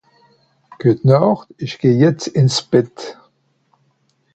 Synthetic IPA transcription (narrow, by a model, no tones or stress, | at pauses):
ɡ̥utnɔʁtɪʃɡ̥eːjɛt͡sɪnsb̥ɪt